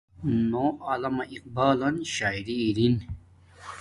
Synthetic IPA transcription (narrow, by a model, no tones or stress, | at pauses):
noalɐmɐʔiq̚baːlɐnɕaːiɾiːɾin